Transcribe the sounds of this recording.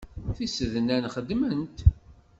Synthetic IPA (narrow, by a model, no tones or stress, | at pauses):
θisəðnænχəd̪mənt̪